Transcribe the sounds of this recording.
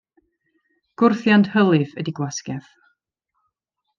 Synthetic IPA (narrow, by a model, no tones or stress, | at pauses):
ɡ̥ʊrθjanthəlˠɨvədiɡwaskɛθ